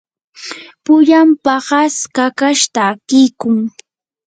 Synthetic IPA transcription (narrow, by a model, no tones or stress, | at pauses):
pʊʎampahaskakaʃt̪akɪjkʊŋ